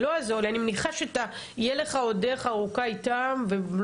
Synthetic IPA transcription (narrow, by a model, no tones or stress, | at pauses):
loazolianimeniχaʃeat̪a | ijeleχao̞deχaʁukaitamvel